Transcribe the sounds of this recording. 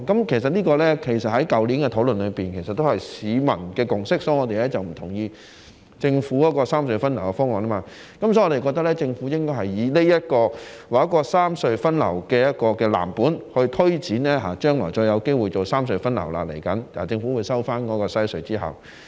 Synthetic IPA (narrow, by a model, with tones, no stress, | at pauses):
kɐ˨˥mkʰe˨˩js̬ɐ˨t̚liː˥kɔː˧lɛː˥kʰe˨˩jsɐ˨t̚hɐ˨˥jkɐ˨˧wliː˨˥nkɛ˧t̪ʰo˨˥wlɵ˨nlɵ˨˧piː˨˩nkʰe˨˩sɐ˨t̪ːo˥whɐ˨˩jsiː˨˧mɐ̰˨˩nkɛː˧kʊ˨ŋsɪ˥k̚sɔː˨˥jŋɔː˨˧t̪e˨jlɛː˥t͡sɐ˨wm̩˨˩t̪ʰʊ˨˩ŋjiː˧ | t͡sɪ˧ŋfu˨˥kɔː˨˥kɔː˧saː˥msɵ˧ɥfɐ˥nlɐ˨˩wkɛ˧fɔː˥ŋɔː˨˩nlɐː˥maː˧ | kɐ˨˥msɔ˧˥ŋɔː˨˧e˨kɔː˧k̚t̪ɐ˥lɛː˥t͡sɪ˧ŋfuː˨˥jɪ˥ŋkɔː˥jhɐ˨jːiː˨˧ne˥jɐ˥t̚kɔː˧waː˨˩ɐ˥kɔː˧saː˥msɵ˧ɥfɐ˥nlɐ̰˨˩wkɛː˧jɐ˥t̚kɔː˧kɛː˧la̰ː˨˩mpuː˨˥nhɵ˧ɥt̪ʰɵ˥ɥt͡siː˨˥nlɛː˥ɦaː˨t͡ʃœː˥ŋlɔ̰ː˨˩jt͡ʃɔː˧jɐ˨˧wke˥jwuː˨˧jt͡so˨wsaː˥msɵ˧ɥfɐ˥nlɐ˨˩wla̰˧lḛ˨˩jkɐ˨˥naː˨˩t͡sɪ˧ŋfuː˨˥wu˨˧jsɐ˥wfaː˥nkɔː˨˥kɔː˧sɐ˥jsɵ˧ɥt͡siː˥hɐ̰˨˩w